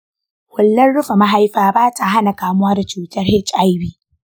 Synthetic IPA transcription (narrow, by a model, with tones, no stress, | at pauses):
hʊ˨lːɐ˦nɽʊ˦ɸa˨ma˦ɦa˦jɸaː˨baː˦ta˨ɦa˦na˨kaː˨mʊ˦waː˦da˨t͡ʃuː˨tɐ˦rhɪ˦t͡ʃʼʔa˦jbiː˦˨